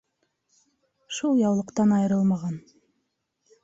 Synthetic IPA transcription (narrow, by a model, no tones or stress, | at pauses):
ʃulˠjɑwlˠəqt̪ɑnɑjəɾɯlˠmɑʁɑn